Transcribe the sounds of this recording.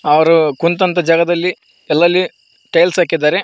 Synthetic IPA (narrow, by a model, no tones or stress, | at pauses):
ɐʋɐɾukunt̪ɐnt̪ɐd͡ʒaːɡɐd̪ɐlːi | ɛlːɐlːi | ʈejlsaːkid̪ːaːɾe